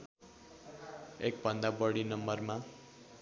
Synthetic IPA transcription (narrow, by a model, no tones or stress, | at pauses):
ek̚bʱʌnd̪abʌɽinʌmbʌrma